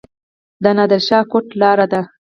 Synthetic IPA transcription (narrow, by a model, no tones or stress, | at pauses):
d̪ənɑd̪əlʃɑkoʈlɑɾad̪a